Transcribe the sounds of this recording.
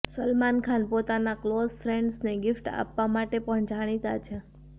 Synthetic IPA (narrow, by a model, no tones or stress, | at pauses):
səlmankʰanpot̪anaklozfɾeɳɖsneɡɪfʈa̰pʋamaʈepəɳd͡ʒaɽ̃it̪at͡ʃʰe